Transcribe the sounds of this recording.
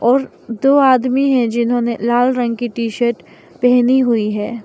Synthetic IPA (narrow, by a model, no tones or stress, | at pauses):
ɔːɾ | d̪oːaːd̪miɦɛ̃d͡ʒɪnɦõːnelaːlɾɐ̃ŋɡ̚kiʈiːʃəɾʈ | pɛɦniɦʊiɦɛː